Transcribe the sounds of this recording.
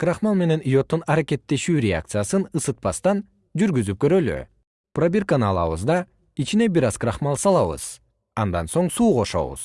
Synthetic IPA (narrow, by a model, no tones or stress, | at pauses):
kraχmɑlˠme̞ne̞nijo̞t̪ːunɑɾake̞t̪ːe̞ʃyːɾʲɪa̰k̚t̪sɨjasɯnɯsɯt̪̚pɑst̪ɑn | d͡ʒyɾɡyzyp̚køɾø̞ly̰ | prabʲirkanɑlˠɑ̰βɯ̰zd̪ɑ | it͡ʃine̞biɾɑzkraχmɑlˠsɑlˠɑβɯ̰z̥ | ɑnd̪ɑnso̞ɴsuːʁo̞ʃo̞̰βṵz̥